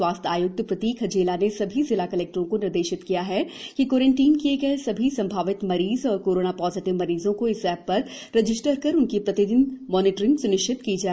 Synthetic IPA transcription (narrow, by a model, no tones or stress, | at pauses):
swaːst̪ʰaːjʊk̚t̪pɾɐt̪iːkʰɐd͡ʒeːlanesɐbʱizɪlakɐleːk̚ʈəɾõkonɪɾd̪eːʃɪt̪kijaɦɛkikoːɾə̃ɳʈiːnkieːkɛsɐbʱisɐ̃mbʱaːʋɪt̪mɐɾiːzɔːɾkoːɾoːnapɔːzɪʈɪʋmɐɾiːzõkoɪsɛːpːɐɾː | ɪd͡ʒɪsʈəɾkɐɾʊnkipɾɐt̪ɪd̪ɪnmɔːnɪːʈɾɪ̃ŋɡsʊnɪʃt͡ʃɪt̪kid͡ʒaːe